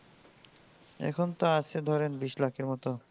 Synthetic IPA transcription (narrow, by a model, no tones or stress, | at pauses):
ɛ̰kʰont̪aaʃʰed̪ʱɔɾenbiʃlakeɾmɔt̪o